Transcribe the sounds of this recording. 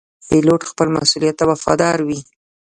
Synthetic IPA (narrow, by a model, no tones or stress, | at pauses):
peloʈxpəlma̰sulijat̪ːawafɑ̰d̪ɑɾwi